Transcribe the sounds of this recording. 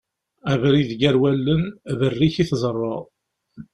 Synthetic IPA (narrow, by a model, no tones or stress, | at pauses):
ævɾiðɡæɾwælːənvərːiçiθzˤərˤːɑ